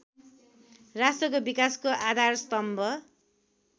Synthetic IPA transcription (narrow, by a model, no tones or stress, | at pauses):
rasʈrʌkobikaskoʔad̪ʱarst̪ʌmbʱʌ